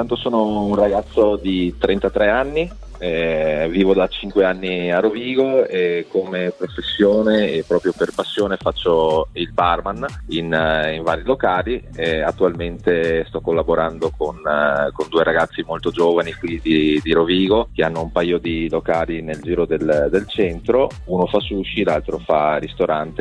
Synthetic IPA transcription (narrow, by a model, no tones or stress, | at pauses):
tt̪ant̪osoːnounraɡat̪sːod̪it̪ɾɛnt̪at̪ɾɛanːi | ɛviːvod̪at͡ʃiŋkweanːiaroviːɡoekːomepɾofesːjoːneːpːɾɔːpɾjoperpasːjoːnefat͡ʃːoilbarmaniniɱvaːɾilokaːliɛat̪ːualment̪est̪ɔkːolːaboɾand̪okonkond̪uːeɾaɡat̪sːimolt̪od͡ʒoːvanikwid̪id̪iɾoviːɡok̟eanːoumpajod̪ilokaːlineld͡ʒiːɾod̪eld̪elt͡ʃɛnt̪ɾo | unofasuʃːilalt̪ɾofarist̪oɾant̪e